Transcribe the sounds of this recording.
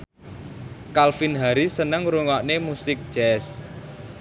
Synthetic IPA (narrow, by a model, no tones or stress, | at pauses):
kalfinɦaɾisənəŋɾuŋɔʔnemusɪk̚d͡ʒ̥ɛs